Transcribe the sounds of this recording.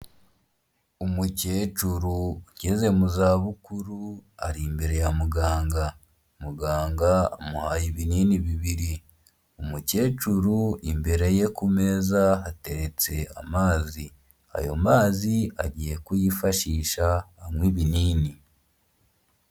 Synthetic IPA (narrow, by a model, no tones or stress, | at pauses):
umuce̞ːt͡ʃuɾuɟeze̞muzaβukuɾua̰ɾimbeɾe̞jamuɡaːŋɡa | muɡaːŋɡaa̰muhajiβiniːniβiβiɾi | umuce̞ːt͡ʃuɾuimbe̞ɾe̞je̞kume̞zaate̞ɾe̞t͡se̞a̰maːzi | a̰jo̞̰maːzia̰ɟije̞kujifaʃiːʃahamwiβiniːni